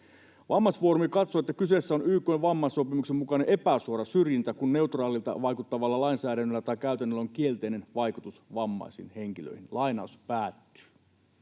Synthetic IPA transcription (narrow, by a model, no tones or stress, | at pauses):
ʋɑmːɑsfuo̞ɾumikɑt̪so̞et̪ːækyse̞sːæo̞nyːkːˑøjʋɑmːɑsopimuksemmukɑnenʔe̞pæsuoɾɑsyrjint̪ækunːe̞ut̪rɑːlilt̪ɑ̰ʋɑjkut̪ːɑʋɑlːɑlɑinsæːdænːølːæt̪ɑjkːæyt̪ænːølːæoŋkie̞lt̪eine̞nʋɑjkut̪usʋɑmːɑ̰jsḭnhe̞ŋkilø̰ihinlɑjnɑ̰uspæːt̪ːy̥ː